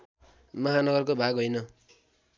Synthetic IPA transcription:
mʌɦanʌɡʌrkobʱaɡɦʌjnʌ

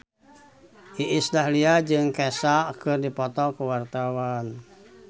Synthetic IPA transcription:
ʔiʔisdaɦliad͡ʒɨŋkɛsakɨrdipɔt̪ɔkuwart̪awan

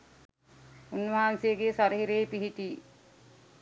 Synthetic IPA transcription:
unʋaɦansijeɡeːsaɾəɦiɾeːpiɦiʈiː

